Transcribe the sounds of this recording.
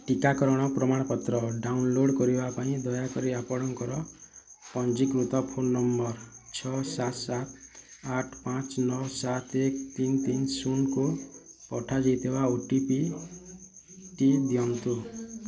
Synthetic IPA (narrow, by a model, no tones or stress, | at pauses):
ʈikakɔɾɔɽ̃ɔpɾɔmaɽ̃ɔpɔt̪ɾɔɖawnloɽkɔɾibapaĩd̪ɔjakɔɾiapɔɽɔŋkɔɾɔ | pɔnd͡ʒikɾut̪ɔpʰonːɔmbɔɾt͡ʃʰɔsat̪sat̪ʰaʈʰpãt͡ʃnɔwsat̪ʰekt̪int̪insunkupɔʈʰad͡ʒajt̪ʰibaoʈipi | ʈid̪ijɔnt̪u